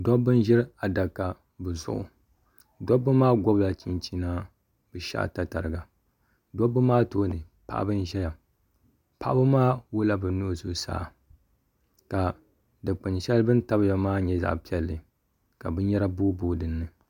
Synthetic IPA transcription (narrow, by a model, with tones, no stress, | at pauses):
dɔ˦bɨ˦n˦ʒɪ˦ɾa˨da˨kːa˨ | bɨ˨zʊ̰˦˨ʔʊ˨ | dɔ˦bːɨ˦maː˦ɡʷɔ˦bla˨t͡ʃi˦nt͡ʃi˦naː˦ | bɨ˨ʃa̰˦˨ta˨ta˨ɾɨ˨ɡa˨ | do˦bːɨ˦maː˦toː˦˨nɨ˨ | pa̰˦ʔbɨ˦n˦ʒɛ˦ja˨ | pa̰˦ʔbɨ˦maː˦wʊ˦la˦bɨ˨nu˦˨zʊ˦sa̰ː˦˨ | ka˨ | dɨ˨k͡pɨ˨nʃɛ˦lbɨ˦n˦ta˦bɨ˦ja˨maː˦ɲɛ˦za̰˨ʔpi˦ɛ˦lːɨ˨ | ka˨bɨ˦ɲɛ˦ɾa˦boː˦boː˦dɨ˨nːɨ˨